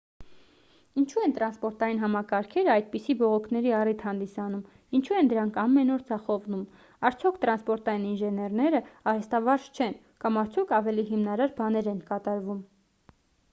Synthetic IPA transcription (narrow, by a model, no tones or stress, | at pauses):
int͡ʃʰuɛnt̪ɾɑnspɔɾt̪ɑjinɦɑmɑkɑɾkʰɛɾəɑjd̪̚pisibɔʁɔkʰnɛɾiɑrit̪ʰhɑnd̪isɑnum | int͡ʃʰuɛnd̪əɾɑŋkʰɑmːɛnɔɾd͡zɑχɔvnum | ɑɾt͡sʰjɔkʰt̪ɾɑnspɔɾt̪ɑjininʒɛnɛrnɛɾəɑɾɛst̪ɑvɑɾʒt͡ʃʰɛn | kɑmɑɾt͡sʰjɔkʰɑvɛliɦimnɑɾɑɾbɑnɛɾɛnkɑt̪ɑɾvum